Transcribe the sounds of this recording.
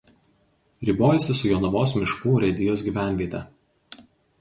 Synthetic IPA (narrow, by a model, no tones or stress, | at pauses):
ɾʲiːˑboːjɛsʲɪsʊjonʊʋoːsmʲɪʃkuːɾʲɛd̪ʲɪjoːs̬ɡʲiːʋʲæˑnʲʋʲiɛt̪ʲɛ